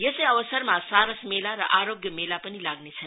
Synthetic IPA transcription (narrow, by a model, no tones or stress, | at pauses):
jʌsejʌʋəsəɾmasaɾəsmelaɾʌ̰ʔaɾoɡjʌmelapʌnilaɡnet͡sʰʌn